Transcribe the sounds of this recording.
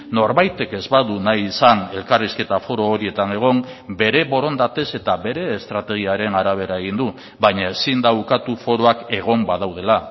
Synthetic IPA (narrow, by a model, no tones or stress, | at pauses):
no̞ɾβajt̪e̞ke̞zβaðunajisane̞lkariske̞t̪afo̞ɾo̞ːɾie̞t̪ane̞ɣ̞o̞mbe̞ɾe̞βo̞ɾo̞nd̪at̪e̞se̞t̪aβe̞ɾe̞ːst̪ɾat̪e̞ɣ̞iaɾe̞naɾaβ̞e̞ɾaeɣ̞ind̪u | βajɲae̞sind̪aukat̪ufo̞ɾo̞ake̞ɣ̞o̞mbaðawð̞e̞la